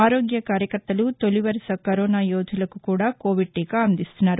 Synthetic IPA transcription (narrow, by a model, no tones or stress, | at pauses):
aːɾo̞ːɡjɐkaːɾjɐkɐɾt̪ːɐlut̪oliʋɐɾisɐkɐɾoːnaːjoːd͡ʒ̪ulɐkukuːɽaːko̞ːʋiɖ̚ʈiːkaɐnd̪ist̪unːaːɾu